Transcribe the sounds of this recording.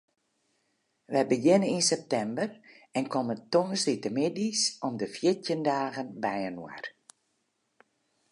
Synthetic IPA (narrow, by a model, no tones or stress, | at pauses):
ʋɛjbəɡɪnəninsɛp̚tɛmbər | ɛnkɔməntoŋəsitəmɪdisɔmdəfjɪtjəndaːɣənbɛjənwa̰r